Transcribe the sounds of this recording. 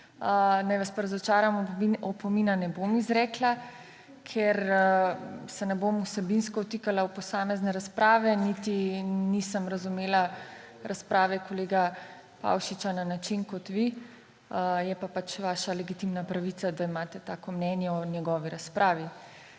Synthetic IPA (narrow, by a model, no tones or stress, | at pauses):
ənajʋaspaɾazɔt͡ʃaːɾamɔpɔminanɛbomizɾɛːkla | kʰɛɾ | sɛnɛbomusɛbinskɔut̪ikalawpɔsaːmɛznɛɾaspɾaːʋɛnit̪inisəmɾazumeːla | ɾʔaspɾaːʋɛkoleːɡa | pa̰ːwʃit͡ʃananat͡ʃinkɔt̪ʋi | jɛpapat͡ʃʋaːʃalɛɡit̪imnapɾaʋit̪ad̪aimaːt̪ɛt̪aːkɔmnɛnjɛɔnjɛɡɔːʋiɾaspɾʔaːʋi